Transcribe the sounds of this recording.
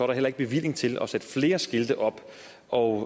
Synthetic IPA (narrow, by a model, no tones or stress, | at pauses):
ɒ̰ːɾɑ̈ɦel̰ɐeɡ̥̚b̥e̝ʋil̰e̝ŋt͡sʰe̝lɒ̽sed̥əfle̝ːɐsɡ̥e̝ld̥əʔɒ̽b̥ | ɒ̽